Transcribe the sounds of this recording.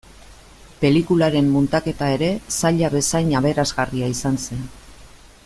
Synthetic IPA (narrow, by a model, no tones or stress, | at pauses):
pe̞likulaɾe̞mːunt̪ake̞t̪ae̞ɾe̞saʎaβe̞sajɲaβ̞e̞ɾazɣariaisanse̞n